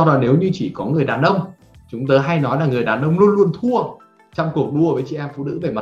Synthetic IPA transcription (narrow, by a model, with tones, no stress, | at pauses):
a˧wɗɔ˨˦ne˨˦wɲɨ˧t͡ɕi˧˩kɔ˨˦ŋɨ˨˩əjɗaː˨˩nʔə˧wŋ͡m | t͡ɕʊ˨˦ŋ͡mt̪əː˨˦jɦa˧jnɔ˨˦jlaː˨˩ŋɨ˨˩əjɗaː˨˩nʔə˧wŋ͡mlu˧nlu˧ənt̪ʰu˧ə | t͡ɕɔ˧wŋ͡mku˨˩ək̚ɗu˧əvəː˨˦jt͡ɕi˧˩˨ʔɛ˧mfṵ˧˥nɨ̰˧˥ve˧˩ma˨˩